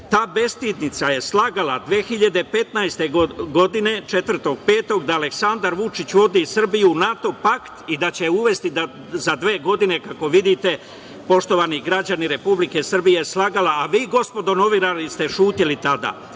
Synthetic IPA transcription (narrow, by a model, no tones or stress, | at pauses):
t̪aːbe̞st̪iːd̪nit̪saje̞slaːɡalad̪ʋeːxiʎad̪e̞pe̞t̪najst̪e̞ɡo̞d̪ine̞t͡ʃe̞t̪ʋr̩t̪o̞ɡpe̞ːt̪o̞ɡd̪aːle̞ksand̪aɾʋut͡ʃit͡ɕʋo̞d̪isr̩bijuːnat̪o̞pakt̪id̪at͡ɕe̞uʋe̞st̪id̪a | zad̪ʋe̞ːɡo̞d̪ine̞kako̞ʋid̪it̪e̞ | po̞ʃt̪o̞ʋaniɡɾad͡ʑaniɾe̞publike̞sr̩bijeslaːɡalaːʋiːɡo̞spo̞d̪o̞no̞ʋiɾalist̪e̞ʃuːt̪ilit̪ad̪a̰